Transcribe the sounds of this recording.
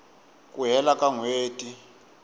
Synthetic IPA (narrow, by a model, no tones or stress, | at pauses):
kʼuɦɛlakʼaŋweːtʼi